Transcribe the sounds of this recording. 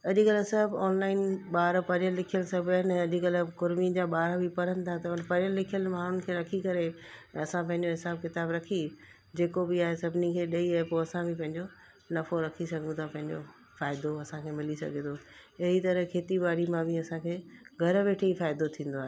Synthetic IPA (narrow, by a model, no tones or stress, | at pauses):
ɐʄɪkɐlsɐbɔːnlaːɪnɓaːɾpɐɾəlːɪkʰijəlsɐbʱaːɦɪnɐʄkɐlkʊɾmid͡ʑaːɓaːɾbɪpɐɾənɪ̆t̪ʰat̪ɐnpɐɾɪjəlːɪkʰijəlmaːɳ̤ʊnɪ̆kʰeːɾɐkʰikɐɾe | ɐsãpɐ̃ɦɪ̃ɲ̆d͡ʑoɦɪsaːbkɪt̪aːbɾɐkʰi | d͡ʑeːkobɪaːɦesɐbʱnikʰeːɗɐiaːɦepoɐsãbɪpɐ̃ɦɪ̃ɲd͡ʑo | nɐfoɾɐkʰisɐɡʱə̃nt̪ʰapɐ̃ɦɪ̃ɲd͡ʑo̰ | faːɪd̪oɐsãkʰeːmɪlisɐ̰ɡʱẽt̪ʰoɐɦit̪ɐɾəkʰeːt̪ibaːɾimãbɪɐsãkʰeːɡʱɐɾʋeːʈʰeifaːɪd̪ot̪ʰĩːn̆d̪oaːɦe